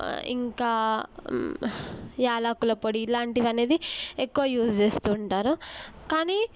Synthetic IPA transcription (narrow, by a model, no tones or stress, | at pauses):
ḭŋkaː | jaːlaːkulɐpoɽiːlaːɳʈiʋɐne̞ːd̪iekːuʋɐjuːsd͡ʒe̞ːst̪uːɳʈaːɾukaːniː